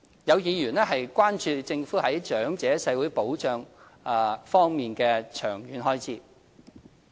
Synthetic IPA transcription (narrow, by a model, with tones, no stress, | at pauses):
jɐ˨˧wjiː˨˧jyː˨˩nɛ˥ɦɐ˨jkʷaː˥nt͡ʃyː˧t͡sɪ˧ŋfuː˨˥hɐ˨˥jt͡ʃœː˨˥ŋt͡sɛː˨˥sɐ˧jwuː˨˥jpo˨˥wt͡ʃœː˨ŋː˨˧ | fɔː˥ŋmiː˨nkɛː˧t͡ʃʰœː˨˩ŋjyː˨˧˥nɦɔː˥jt͡sʰiː˨˥